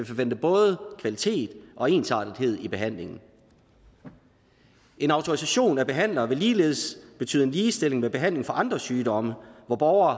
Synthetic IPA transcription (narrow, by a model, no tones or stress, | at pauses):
efɒʋen̰d̥əb̥ɔ̽ːð̞ˠəkʰʋælit͡sʰe̝̰ːd̥ʔɒ̽e̝̰ːnsɑ̰̈ːd̥ð̩ˠhe̝ð̰ˠib̥e̝ɦæn̰le̝ŋn̩ | ʔe̝nɑ̈ʊt͡sʰo̝ʁisæɕo̝̰ːnæb̥e̝ɦæn̰lɐʋe̝liːle̝ːð̞̩ˠsb̥e̝t͡sʰy̰ːð̩ˠe̝nliːsd̥e̝l̰e̝ŋmeb̥e̝ɦæn̰le̝ŋfɒ̽ʔɑ̈nd̥ʁɐsyːd̥ɒ̽məʋɒb̥ɒʊɐː